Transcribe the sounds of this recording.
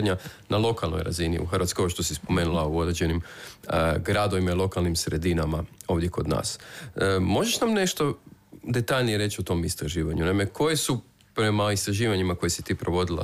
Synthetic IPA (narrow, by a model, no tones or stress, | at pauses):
d̪ɲanalˠo̞kalˠno̞̰jɾa̰zinḭṵxrʋat̪kojoʃt̪o̞sispo̞me̞nulˠauo̞d̪ɾed͡ʑd͡ʒe̞nim | ɡɾad̪o̞ʋimailˠo̞kalˠnimsɾe̞d̪inamao̞ːʋd̪jeko̞d̪na̰ːs | mo̞ʒe̞ʃnamne̞ʃt̪o̞d̪e̞t̪aʎnije̞ɾe̞t͡ɕiot̪o̞mist̪ɾaʒiːʋaɲunaime̞kʰo̞je̞su | pɾe̞maist̪ɾaʒiːʋaɲimako̞jesi̥t̪iːpɾo̞ʋo̞d̪ilˠa̰